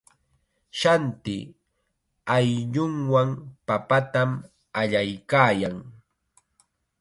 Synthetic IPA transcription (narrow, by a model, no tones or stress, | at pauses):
ʃant̪ɪ̰ | ajʎʊŋwaŋpapat̪am | aʎajkaːjaŋ